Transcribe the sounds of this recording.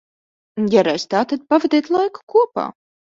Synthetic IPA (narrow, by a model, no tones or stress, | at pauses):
jaɾajst̪aːt̪ad̪̚pavɛd̪ʲɛt̪lˠajku̥kuɔpa̰ː